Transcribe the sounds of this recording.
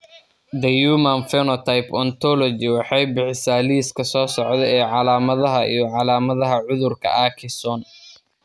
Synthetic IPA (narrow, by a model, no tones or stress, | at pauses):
d̪ɐjuːmɐnfɛnɔt̪ʰɐjpɔnt̪ʰɔlɔd͡ʒɪwɑħɑjbɪħɪsaːliːskʰɐsɔːsɔʕd̪ɛɛːʕɑlaːmɐðɐɦɐʔḭjɞʕɑlaːmɐðɐɦɐʕʊðʊrkʰɐ̰ʔaːkʰɪsɔn